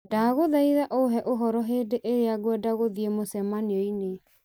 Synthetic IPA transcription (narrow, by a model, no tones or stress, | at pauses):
daɣoðaiðaʔoɦɛʔoɦɔɾɔɦeːdeʔeɾeaɡwɛdaɣoðiemosɛmaniɔine